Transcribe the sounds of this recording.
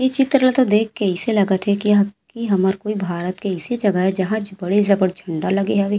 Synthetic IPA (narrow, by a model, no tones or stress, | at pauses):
jet͡ʃɪt̪ɾlat̪od̪eːkʰːeɛselɐɡət̪ɦɛkikiɦɐməɾkoːibʱaːɾət̪keɛsed͡ʒɐɡəɦɛd͡ʒɐɦãbɐɽezɐbəɽd͡ʒʰʱɐ̃ɳɖalɐɡeɦaʋe